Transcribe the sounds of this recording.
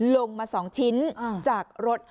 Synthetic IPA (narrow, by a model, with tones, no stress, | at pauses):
lo˧ŋmaː˧sɔː˩˦ŋt͡ɕʰi˦˥n˧t͡ɕaː˨˩k̚ɾo˦˥t̪̚